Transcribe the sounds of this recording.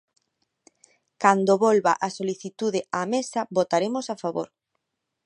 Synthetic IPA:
kand̪oβolβa̰ʔasoliθit̪uðɪamesabot̪aɾemosafaβo̰ɾ

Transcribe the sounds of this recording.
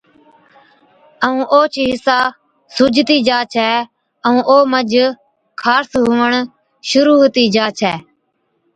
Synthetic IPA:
əũːʔoːt͡ʃʰiːɦɪsaː | sʊd͡ʒʱt̪iːd͡ʒaːt͡ʃʰɛː | əũːʔoːməd͡ʒ | kʰaːsɦʊːʋəɳ | ʃʊɾuːɦt̪iːd͡ʒaːt͡ʃʰɛː

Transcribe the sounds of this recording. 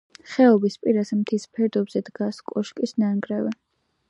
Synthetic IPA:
χɛɔbispʼiɾazɛmt̪ʰispʰɛɾd̪ɔbzɛd̪ɡaskʼɔʃkʼisnaŋɡɾɛvɛ

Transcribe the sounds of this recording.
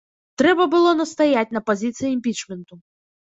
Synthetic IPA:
t̪ɾɛbɐbɨlˠɔnɐst̪ajat͡sʲnɐpazʲit̪sɨjiimʲpʲit͡ʂmʲɛnt̪u

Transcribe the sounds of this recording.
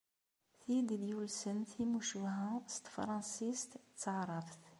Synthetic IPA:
θid̪id̪julsənθimuʃuɦæst̪fɾˤɑnsist̪t͡sːəʕɾˤɑft̪

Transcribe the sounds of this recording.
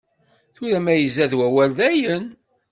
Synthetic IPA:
θʊɾæmæjəzæðwæwæld̪æjən

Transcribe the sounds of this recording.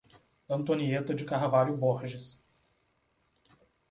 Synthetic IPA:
ɐ̃nt̪oniet̪ɐd͡ʒɪkahvaʎjʊboɾʒɪs

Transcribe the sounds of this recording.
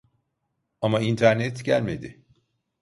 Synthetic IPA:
amaint̪ʰæɾnɛt̪ɟælʲme̞d̪ɪ

